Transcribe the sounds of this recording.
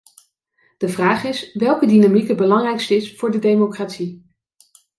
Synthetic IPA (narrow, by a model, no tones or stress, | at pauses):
d̥əvraːχɪsʋɛlˠkədinamikəbəlɑŋrɛjkstəɪsfʊːɹdədejmokratsi